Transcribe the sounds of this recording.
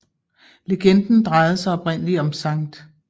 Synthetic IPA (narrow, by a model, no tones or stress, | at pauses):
le̝ɡ̥end̥n̩d̥ʁɑ̈ɪð̞̩ˠsɑ̈ɪɒ̽b̥ʁɛn̰əliɒ̽msɑ̈ŋd̥